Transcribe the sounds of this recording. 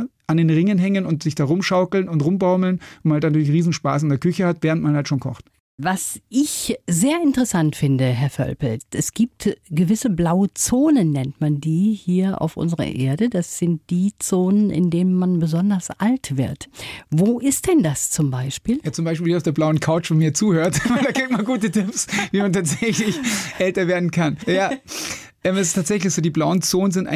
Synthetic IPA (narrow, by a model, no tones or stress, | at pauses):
ʔandeːnʁɪŋənɦɛŋənʊntz̥ɪçd̥aːʁʊmʃaʊkl̩nʊntʁʊmbaʊml̩nnmnhaltnatyːɐlɪçʁiːzn̩ʃpaːs̬ɪndeːɐkʰʏçəhatv̥ɛːʁəntmanhaltʃoːnkʰɔ̰χt | vasʔɪçzeːɐɪntəʁɛsantfɪndəɦɛɐfœ̰lpl̩ʔɛsɡ̥iːp̚tɡ̥əvɪsəblaʊət͡soːnənːɛntmandiːhiːɐʔa̰ʊfʔʊ̰nzəʁɐ̰ʔeːɐdəd̥asz̥ɪnt̚d̥iːt͡soːnənʔɪ̰ndeːnənmanbəzɔndɐsʔaltv̥ɪ̰ɐtvoːʔɪst̚d̥ɛndast͡sʊmbaɪʃpiːljaːt͡sʊmbaɪʃpiːliːaʊfd̥eːɐblaʊənkʰaʊt͡ʃanmiːɐt͡suːhøːɐtdaɡɪk̚tmaɡuːtətɪpsviːmantʰaːtz̥ɛçlɪçʔɛltɐveːɐdn̩kʰanjaː | ʔɛːmɛs̬ɪ̥stʰaːtz̥ɛçlɪçz̥oːdiːblaʊənt͡soːnənzɪntʔa̰ɪ